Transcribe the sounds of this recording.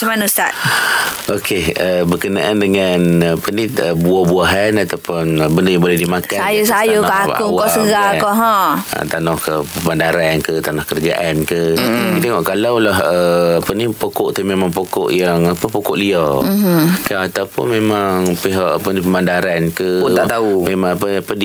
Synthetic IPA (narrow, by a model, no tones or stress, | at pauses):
səmanust̪at | ʔokeəbərkəna̰ʔandəŋanapəniəbuɔhbuaɦanat̪awpʊnəbəndəjaŋbolɛhdimakasajusajukʔa̰ʊŋwkɔʔsəɡakɔʔɦɔ̃ə̰t̪anɔhkəpəmandaɾankət̪anɔhkəɾəd͡ʒa̰ʔankəkit̪eŋɔʔkalawlahəapənipokɔʔt̪əmemaŋpokɔ̰ʔjaŋapəpokɔʔliɔ | kaat̪awpʊ̰nmemaŋpeɦaʔapənipəmandaɾankəut̪aʔt̪aumemaŋapəapədi